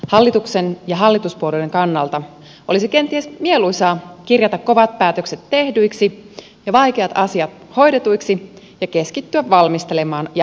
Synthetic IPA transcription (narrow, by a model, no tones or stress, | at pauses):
hɑlːit̪uksenjɑɦɑlːit̪uspuoludeŋkɑnːɑlt̪ɑ | ʔo̰lisike̞nt̪iesmieluisɑːkirjɑt̪ɑkko̞ʋɑt̪̚pæːt̪økse̞t̪ːe̞hdyiksi | jɑʋɑjk̟eɑt̪ɑsiɑt̪̚ | ho̞jdet̪ujksi | jɑke̞skit̪ːyæʋʋɑlmist̪elemɑːnjɑ